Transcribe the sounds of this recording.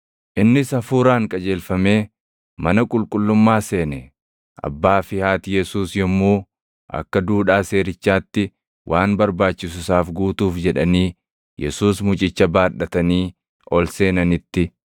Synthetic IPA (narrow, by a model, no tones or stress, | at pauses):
ʔɪnːɪsɐfuːɾaːŋkʼɐd͡ʒe̞ːlfɐme̞ː | mɐnɐkʼʊlkʼʊlːʊmːaːse̞ːnɛ | ʔɐ̰bːaːfɪhaːt̪jɛsuːsjɔmːuː | ʔɐ̰kːɐd̪uːᶑaːse̞ːɾɪt͡ʃːaːt̪ːɪ | wʔaːnbɐɾbaːt͡ʃːɪs̬ʊsaːfɡuːt̪uːfd͡ʒɛᶑɐniː | jɛsuːsmʊt͡ʃʼɪt͡ʃːɐbaːᶑɐt̪ɐniː | ʔɔlse̞ːnɐnɪt̪ːɪ